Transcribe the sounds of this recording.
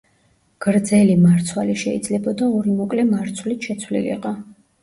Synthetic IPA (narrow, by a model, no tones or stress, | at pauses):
ɡ̥ɾd̪zɛlimaɾt̪sʰwaliʃɛḭd̪zlɛbɔd̪aɔɾimɔkʼlɛmaɾt̪sʰwlit̪ʃɛt̪sʰwlḭlḭqʼɔ